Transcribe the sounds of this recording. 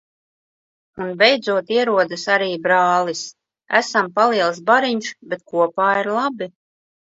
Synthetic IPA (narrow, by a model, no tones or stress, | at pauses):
unbɛjd̪zuɔt̪iɛɾuɔd̪ɨsaɾiːbɾaːlˠis | æsampaliɛlˠs̬baɾiɲʃbet̪̚kuɔpaːiɾlˠabi